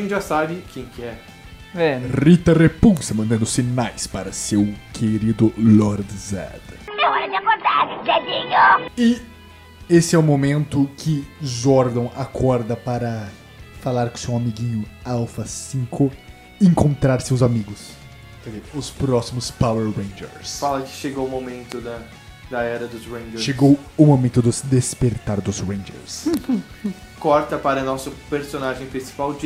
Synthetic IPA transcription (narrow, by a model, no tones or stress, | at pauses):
ẽt̪ʒasabɪkẽj̃kɪɛ | ɛʁit̪ɐʁepuwsɐmɐ̃nd̪ɐ̃nd̪ʊsinajspaɾɐsewkʰeɾid̪ʊlɔɾd̪zɛ̰d̪ɐẽɔɾɐd͡ʒɪakoɾd̪aɾʒɛd͡ʒiɲoɪ | esɪɛʊmomẽnt̪ʊkʰɪʒɔɾd̪ɐ̃w̃akʰɔɾd̪ɐpaɾɐ | falaɾkõsewamiɡĩɲʊawfɐsĩŋkʰʊ | ẽŋkõnt̪ɾaɾsewzamiɡʊs | kɛzeɾʊspɾɔsimʊspaweɾwẽj̃d͡ʒḛɾsfalɐkɪ̥ʃeɡowmomẽnt̪ʊd̪ɐ | d̪ɐɛɾɐd̪ʊzɾẽj̃d͡ʒeɾʃeɡowʊmomẽnt̪ʊd̪ʊsd̪espeɾt̪aɾd̪ʊzwẽj̃d͡ʒḛɾs | kɔɾt̪ɐpaɾɐnɔsʊpeɾsonaʒẽj̃pɾĩsi̥pawd͡ʒ